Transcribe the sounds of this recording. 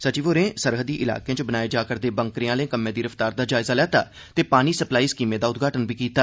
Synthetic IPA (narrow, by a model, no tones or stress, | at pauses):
sət͡ʃiːʋoːɾẽːsəɾɦəd̪iːʔɪla̰ːkeãːt͡ʃbənaːeːd͡ʒaːkəɾd̪eːbə̃ŋkɾijãːləẽkəmːẽːd̪iːɾəft̪aːɾd̪aːd͡ʒaːɪzaːlɛːt̪aː | t̪eːpaːniːsəplaːiːskiːmẽːd̪aːʊt̪̚ɡʱaːʈənbiːkiːt̪aː